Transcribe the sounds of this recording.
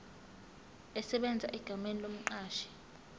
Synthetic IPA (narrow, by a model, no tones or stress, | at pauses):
ɛsɛɓɛnd͡zʱaʔiɡ̥ʱamenilom̩ǃaːʃɛ̥